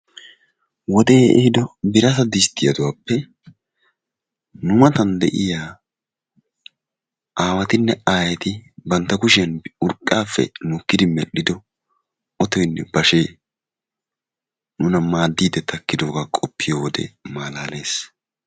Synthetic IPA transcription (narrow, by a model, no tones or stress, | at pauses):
wɔd̪eːɛhɪd̪ɔbɪɾɐsɐd̪ɪst̪ːɪjɐd̪ʊwaːpːɛ | nʊmɐt̪ɐnd̪ɛ̰ʔɪjaː | aːwɐt̪ɪnːɛaːjɛt̪ɪbɐnt̪ːɐkʊʃɪjɐnʊɾkʼːaːfːɛ̰nʊkːɪd̪ɪmɛ̰ɗɪd̪ɔ | ɔt̪ɔjnːɛbɐʃeː | nʊnɐmaːd̪ːiːd̪ɛt̪ʰɐkːɪd̪o̞ːɡaːkʼɔpːɪjowɔd̪ɛ̰maːlaːle̞ːs